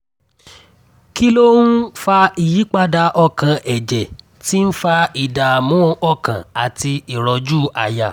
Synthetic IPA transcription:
ki˦lo˦ũ˦fa˧i˨ji˨˦k͡pa˦da˧ʔɔ˧kã˨ʔɛ˨d͡ʒɛ˨ | ti˦n̩˦fa˧i˨da˨mũ˨˦ɔ˦˨kã̰˨a˨ti˧i˨ɾɔ˧d͡ʒu˦˨a̰˨ja˨

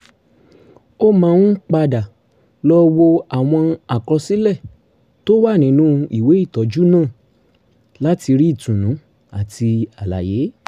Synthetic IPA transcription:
o˦mãː˧nũ˦k͡pa˧da˨ | lɔ˦wo˧a˨w̃ɔ̃˧a˨kɾɔ˧si˦lɛ˦˨ | to˦wa˦˨nĩ˨˦nũ˦i˦˨we˨˦i˦˨tɔ˨˦d͡ʒu˦nãː˦˨ | la˦ti˧ɾi˦i˦˨tũ˨nũ˨˦ | a˨tʰi˧a˨la̰˨je˨˦

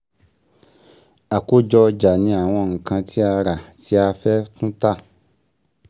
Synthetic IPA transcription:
a˨ko˦d͡ʒɔ˧d͡ʒa˨nĩ˧˦a˨w̃ɔ̃˧ŋ̩˨kã˧tʰi˦a˧ɾa˨ti˨˦a˧fɛ˦tũ˦ta˦˨

